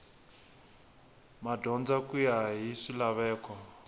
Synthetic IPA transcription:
madʱɔnd͡zakʼujaɦiʂilaβɛːkɔ

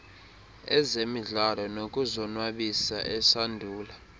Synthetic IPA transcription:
ɛzemiɮalɔnokʼuzɔnwaɓisa̰ʔɛsandʱuːla

